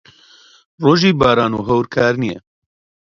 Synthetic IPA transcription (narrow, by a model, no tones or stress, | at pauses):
roːʒiːbaːɾaːnuːɦɐwɾkʰaːɾnijɛ̰